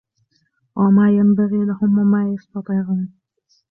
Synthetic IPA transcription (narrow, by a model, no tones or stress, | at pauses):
wɪmaːjambaɣiːlahʊmwamajast̪ɑt̪ˤiʕuːn